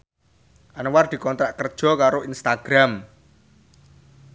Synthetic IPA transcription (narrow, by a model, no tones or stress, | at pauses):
ʔanward̪̥i̤kɔnt̪ɾaʔkərd̥ʒ̥ɔ̤kaɾoinst̪aɡ̥ɾam